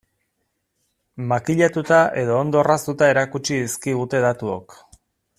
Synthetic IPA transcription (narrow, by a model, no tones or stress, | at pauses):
makiʎat̪ut̪aʔe̞ðo̞ːnd̪o̞rast̪ut̪ae̞ɾakut͡ʃiiskiɣut̪e̞ðat̪uo̰k